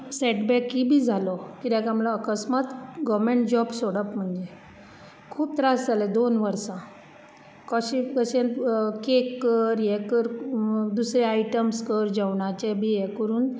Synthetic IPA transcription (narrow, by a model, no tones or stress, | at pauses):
sɛʈbɛkːibʱiːd͡zʱalɔkid̪ãkamlaːkəsmat̪ɡɔʋmeɳʈd͡ʑɔbsoɽəpm̤əɳd͡ʑe | kʰuːb̚t̪ɾasd͡zaled̪onʋəɾsã | kəɕikəɕẽnkekːəɾjɛkəɾd̪usɾeajʈəmskəɾd͡ʑəʋɳat͡ɕebʱijɛkəɾuːn